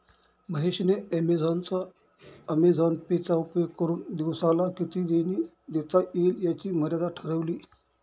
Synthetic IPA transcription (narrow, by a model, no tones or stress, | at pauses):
məɦeɕneəmed͡zʱɔnt͡sa | əmed͡zʱɔnpet͡saupjoɡkəɾuːnd̪iʋsalakit̪ʰiːd̪eniː | d̪et͡saʔeljat͡ɕiːməɾjad̪aʈʰəɾəʋliː